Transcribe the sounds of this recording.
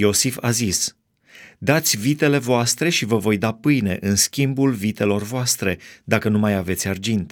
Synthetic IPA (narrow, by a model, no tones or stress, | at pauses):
jo̞sifazis | d̪at̪sʲvit̪e̞le̞voast̪ɾe̞ʃivəvo̞jd̪apɨjne̞ʔɨnskʲimbulvit̪e̞lo̞rvoast̪ɾe̞d̪akənumajave̞t̪sʲard͡ʒint̪